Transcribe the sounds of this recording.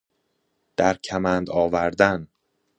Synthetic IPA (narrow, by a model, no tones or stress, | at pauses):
d̪̥æɾcʰæmænd̪ɒːvæɾd̪æn